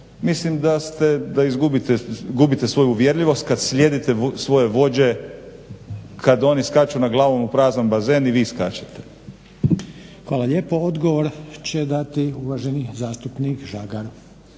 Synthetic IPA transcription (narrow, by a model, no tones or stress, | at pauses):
mislimd̪ast̪ed̪aizɡubit̪eɡubit̪esʋo̞juːʋjeɾʎiʋo̞st̪̚kad̪sʎʲed̪it̪esʋo̞je̞ʋo̞d͡ʑe̞ | kad̪o̞niskat͡ʃunaɡlˠaːʋo̞mupɾaːznanbaze̞ːniʋiːskat͡ɕat̪ʰe̥ | xʋaːlaʎe̞ːpood̪ɡoʋoɾt͡ɕed̪at̪iuʋaʒenizaːst̪upnikʒaɡaɾ